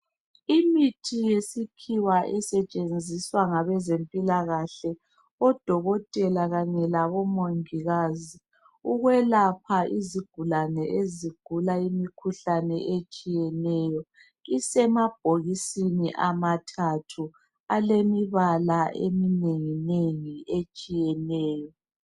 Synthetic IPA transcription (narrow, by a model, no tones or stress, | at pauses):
imitʰijesikʰiwaʔɛsɛt͡ʃʼend͡zʱiswaŋaβɛzempʼilaɣaɬɛ | ɔd̥ʱɔɣɔtʼɛlaɣaɲɛlaβɔmoŋiɣazi | uɣwɛlapʰaiziɡ̥ʱulanɛʔeziɡ̥ʱulaimikʰuɬanɛʔet͡ʃʼijɛnɛjɔ | isɛmab̥̚ʱoɣisiniʔamatʰatʰu | alemiβalaʔḛmineŋineŋiet͡ʃʼijɛnɛːjɔ